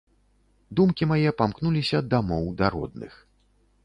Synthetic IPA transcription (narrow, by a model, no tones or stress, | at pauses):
d̪umkʲimajɛpamknulʲisʲɐd̪amɔwd̪ɐɾɔ̰d̪̚nɨ̰x